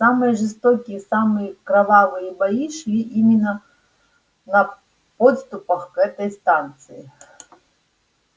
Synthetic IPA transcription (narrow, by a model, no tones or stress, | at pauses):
samɨjəʐɨst̪okʲijəsamɨjəkɾɐvavɨjəbɐjiʂlʲiʔimʲɪnːə | nɐ | pot̪st̪ʊpɐxkɛt̪ɐjst̪ant̪sɨɪ